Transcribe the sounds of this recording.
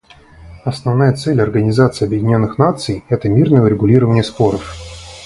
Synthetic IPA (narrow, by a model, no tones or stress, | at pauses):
ɐsnɐvnajət̪sɛlʲɐrɡənʲɪzat̪sɨɪːɐbjɪdʲɪnʲo̞nːɨxnat̪sɨjɛt̪əmʲirnəjʊɾʲɪɡʊlʲiɾəvənʲɪjəspo̞ɾəf